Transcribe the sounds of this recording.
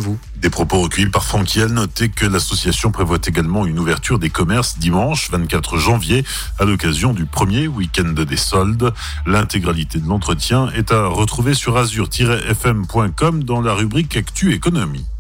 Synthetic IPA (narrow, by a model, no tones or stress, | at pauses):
vu | d̪epχɔpoʁəkʲœjipaʁfχɑ̃kʲiɛlnɔt̪ekəlasɔsjasjɔ̃pχevwat̪eɡalmɑ̃ynuvɛʁt̪yʁd̪ekɔmɛʁsd̪imɑ̃ʃvɛ̃t̪̚kat̪χəʒɑ̃vje | alɔkazjɔ̃d̪ypχəmjewikʲɛ̃nd̪d̪esɔld̪ | lɛ̃t̪eɡʁalit̪ed̪əlɑ̃t̪χət̪jɛ̃ɛt̪aʁət̪χuvesyʁazyʁt̪ʰiʁɛʔɛfɛmpwɛ̃kɔmd̪ɑ̃laʁybʁikakt̪yekɔnɔmḭ